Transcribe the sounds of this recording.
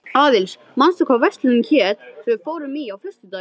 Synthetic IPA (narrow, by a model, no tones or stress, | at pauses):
aːðɪls | manst̪ʏkʰavɛst̪lɪncʰɛːt̪fɪɾfoːwɾʏmijawfʏst̪ʏt̪a